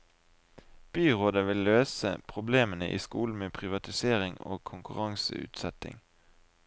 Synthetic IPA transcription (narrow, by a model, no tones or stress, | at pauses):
b̥yːʁoːd̪əʋɪlːøːsə̰pʰʁʊbleːmənəʔḭːskuːln̩meːpʰʁɪʋɑt̪ɪseːʁɪŋo̰ːkʰʊŋkʉʁɑŋsə̰ʉ̰ːt̪sɛt̪ɪ̰ŋ